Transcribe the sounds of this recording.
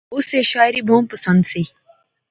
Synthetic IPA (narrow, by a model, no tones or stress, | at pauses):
useʃaːjɾibʱuːmpəsə̃nd̪si